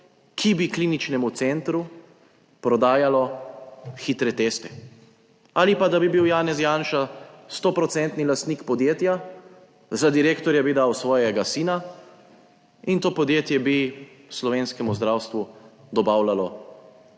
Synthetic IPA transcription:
kʰibikliːnit͡ʃnɛmut̪sent̪ɾu | pɾɔd̪aːjalɔ | xiːt̪ɾɛt̪est̪ɛ̥ | aːlipad̪abibiwjaːnɛsjaːnʃast̪oːpɾɔt̪sɛnt̪nilast̪nikpɔd̪jeːt̪ja | zad̪iɾeːkt̪ɔɾjabid̪awsʋɔːjɛɡasiːna | int̪oːpɔd̪jeːt̪jɛbi | slɔʋeːnskɛmuzd̪ɾawst̪ʋud̪ɔbaːwlalɔ

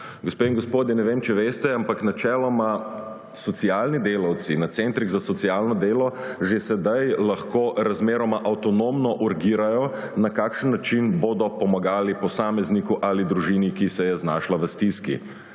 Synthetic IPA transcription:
ɡospeːiŋɡospoːd̪jɛnɛʋemt͡ʃɛʋeːst̪ɛampaknat͡ʃɛːlɔma | sɔt̪sialnid̪eːlawt̪sinat̪sent̪ɾiɣzasɔt̪sialnɔd̪eːlɔ | ʒesɛd̪ajlaxkoːɾazmeːɾɔmaʔawt̪ɔnoːmnɔʔuɾɡiːɾajɔ | nakaːkʃənːat͡ʃinboːd̪ɔpɔmaɡaːlipɔsaːmɛznikuʔalid̪ɾuʒinikisɛjɛznaːʃlaʋəst̪iskḭ

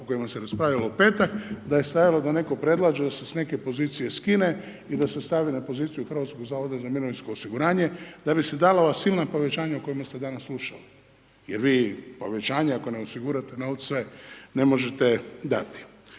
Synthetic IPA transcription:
uko̞jimaseɾaspɾaːʋʎʲaloope̞ːt̪akd̪aje̞st̪ajalo̞d̪ane̞ko̞pɾe̞d̪lˠaːd͡ʒed̪asesne̞kepo̞ziːt̪sije̞skine | id̪asest̪aʋinapo̞ziːt̪sijuxr̩ʋat̪sko̞ɡzaːʋo̞d̪azamiɾoʋinsko̞ːsiɡuɾaːɲe̞d̪abise̞d̪alaoʋasilnapo̞ʋe̞t͡ʃaːɲauko̞jmast̪e̞d̪anasːlˠuʃali | jeɾʋiːpo̞ʋet͡ʃaːɲeakoneosiɡuːɾat̪enaosʋene̞mo̞ʒe̞t̪ed̪a̰t̪i̥

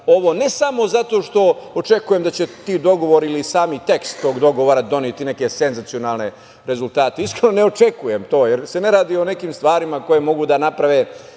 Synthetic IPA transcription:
o̞ʋo̞ne̞samo̞zat̪o̞ːʃt̪o̞ot͡ʂe̞kujemd̪at͡ɕe̞t̪iːd̪o̞ɡo̞ʋo̞ɾilisaːmit̪e̞kst̪ːo̞ːɡd̪o̞ɡo̞ʋoɾad̪o̞niet̪ine̞ke̞se̞nzat̪sijo̞naːlne̞ | ɾe̞zult̪aːt̪eiskɾenoneo̞t͡ʃe̞kujemt̪o̞ːjeɾse̞ne̞ɾaːd̪io̞ne̞kiːmst̪ʋaːɾimako̞je̞mo̞ɡud̪anapɾaʋe

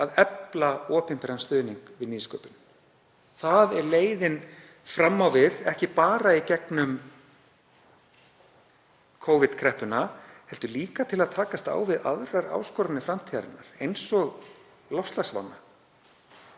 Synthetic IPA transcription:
aðɛplaɔːpɪnpɛɾanst̪œːðniŋkvɪðniːskœːpʏn | θaðɛɾleːjðɪn | fɾamːawvɪðɛhcɪpaːɾaicɛknʏm | kʰowvɪt̪kʰɾɛhpʏnahɛlt̪ʏliːkat̪ʰɪlaðt̪ʰaːkast̪a̰ːwvɪða̰ðɾaɾa̰ːwskɔːɾanɪfɾamt̪ʰiaɾɪ̰nːa̰ɾ̥ejnsɔɣ | lɔst̪lasva̰nːa

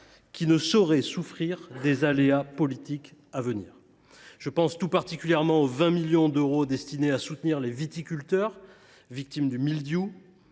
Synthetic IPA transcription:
kʲinəsɔʁɛsufχiʁd̪ezaleapɔlit̪ikavənḭːʁ | ʒ̥əpɑ̃st̪upaʁt̪ikʲyljɛʁmɑ̃ovɛ̃miljɔ̃d̪øʁod̪ɛst̪ineasut̪niʁlevit̪ikʲylt̪œʁ | vik̚t̪imd̪ymild̪ju

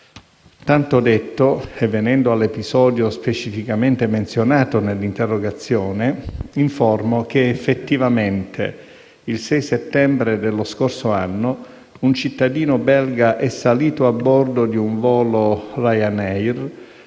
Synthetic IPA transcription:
t̪ant̪od̪et̪ːoɛvːenɛnd̪oalːepizɔːd̪jospet͡ʃifikament̪ement̪sjonaːt̪onelːint̪erːoɡat̪sːjɔːneiɱfɔrmok̟eefːet̪ːivament̪ʰḛ | ilsɛjset̪ːɛmbɾed̪elːoskorsoanːo | unt͡ʃit̪ːad̪iːnobɛlɡaʔɛsːaliːt̪oabːɔrd̪od̪iuɱvɔːlorajanɛjr

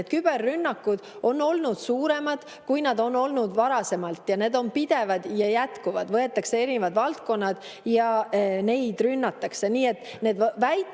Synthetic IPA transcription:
ed̪̥kyb̥e̞rːynːɑkːˑud̪̥ | ʔo̞nːo̞lnud̪̥suːɾe̞mɑd̪̥ | kujnɑd̪o̞nːo̞lnud̪vɑɾɑse̞mɑlt̪ːˑjɑne̞ːd̪̥o̞npid̪̥e̞vɑd̪̥jɑjæt̪kuvɑd̪vɤe̞t̪ːˑɑkse̞eɾinevɑd̪vɑlt̪ko̞nːɑd̪̥ | jɑne̞jd̪̥rynːɑt̪ːˑɑkse̞niːe̞t̪ːne̞ːd̪væjt̪

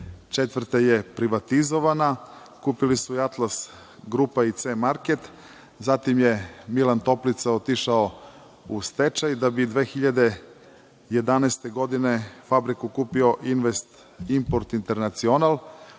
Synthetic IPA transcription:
t͡ʃet̪ʋr̩t̪ejepɾiʋat̪izo̞ʋana | kuːpilisuiat̪las | ɡɾupait̪seːmaɾket̪ | zat̪imje̞milant̪o̞plit̪saot̪iʃao | ust̪et͡ʃajd̪abid̪ʋe̞ːxiʎad̪e̞ | jed̪anɛːst̪e̞ɡo̞d̪ine̞fabɾikukuːpio̞ʔinʋest̪ | impoɾt̪int̪e̞ɾnat̪sionalˠ

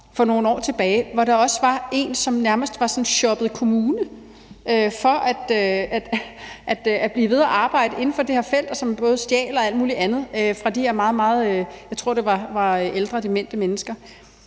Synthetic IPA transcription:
fɒ̽no̝ːn̩ɒ̰ːt͡sʰe̝b̥ɛːɪʋɒɾ̥ɑ̈ɒ̽səʋɑ̈e̝ːnsɒ̽mnæɐməsd̥ʋɑ̈sɒ̽nnɕɒ̽b̥ð̩ˠkʰo̝muːnə | ʔøfɒ̽æd̥øæd̥ʔæd̥æb̥liːʋe̝ð̞ˠɐʔɑ̈ːb̥ɑ̈ɪ̰d̥əʔe̝n̩fɒ̽d̥ehæɐfel̰d̥ɒ̽sɒ̽mb̥ɔ̽ːð̞̩ˠsd̥jɛ̰ːlɒ̽æld̥̚muːliʔænð̞̩ˠøfʁɑ̈d̥ieɐmɑ̈ːð̞̩ˠmɑ̈ːð̞̩ˠøjɑ̈ɪt͡sʰʁo̝ɐ̰d̥e̝ʋɑ̈ʋɑ̈øʔeld̥ʁɐd̥imen̰d̥əmenəsɡ̥ɐ

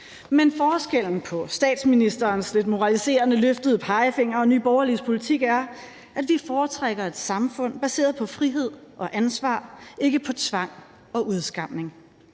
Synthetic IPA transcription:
menfɒːsɡ̥el̰n̩pʰɒ̽sd̥ɛ̰ːd̥sminisd̥ɐːnsle̝d̥mo̝ʁɑ̈lise̝̰ːɐnəløfd̥əð̞ˠəpʰɑ̈ɪfe̝ŋ̰ɐɒ̽ny̰ːb̥ɒʊɐlispʰo̝lit͡sʰiɡ̥æɐ | ʔædʋifɒːt͡sʰʁaɡ̥ɐe̝d̥sɑ̈mfɔ̽n̰b̥æse̝̰ːɐðˠpʰɒ̽fʁiɦe̝ð̰ˠʔɒ̽ʔænsʋɑ̰̈ːe̝ɡ̥əpʰɒ̽t͡sʰʋɑ̈ŋ̰ | ɒ̽ʔuðˠsɡ̥ɑ̈m̰ne̝ŋ

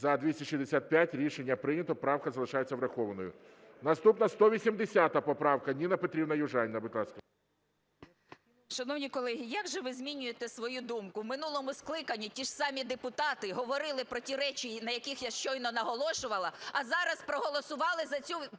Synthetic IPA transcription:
zɐd̪ʲʋʲisʲiʃizd̪esʲat̪̚pʲjatʲɾʲiʃenʲːɐpɾɪnʲɐt̪ɔpɾɑwkɐzɐlˠɪʃɑjet͡sʲːɐwɾɐxɔʋɐnɔjʊ | nɐst̪upnɐst̪ɔʋʲisʲimd̪esʲat̪ɐpɔpɾɑwkɐnʲinɐpɔt̪ɾʲibnɐjʊʒɑnʲnɐbʊt̪ʲlˠɑskɐ | ʃɐnɔwnʲikɔlˠɛɦʲijaɡʒɛʋɪzʲmʲinʲʊjet̪ɛsʋɔjud̪umkʊwmɪnulˠɔmʊsklˠɪkɐnʲːitʲiʂsɑmʲid̪epʊt̪ɑt̪ɪɦɔʋɔɾɪlˠɪpɾɔtʲiɾɛt͡ʃʲinɐjɐkʲixjaʃt͡ʃɔjnɔnɐɦɔlˠɔʃʊʋɐlˠɐːzɑɾɐspɾɔɦɔlˠɔsʊʋɑlˠɪzɐt͡sʲu

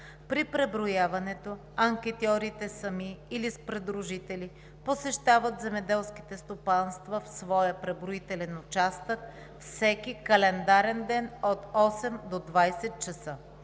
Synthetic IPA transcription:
pɾipɾɛbɾojavɐnɛt̪o | ɐŋkʲɛt̪iɔɾit̪ɛsɐmiːlispɾɛd̪ɾuʒit̪ɛli | posɛʃt̪avət̪zɛmɛd̪ɛlˠskʲi̥t̪ɛst̪opanst̪vəfsvɔjəpɾɛbɾoit̪ɛlɛnʊt͡ʃast̪ək | fsɛkʲikɐlɛnd̪aɾɛnd̪ɛnot̪ɔsɛmd̪od̪vajsɛt̪̚t͡ʃɐsə

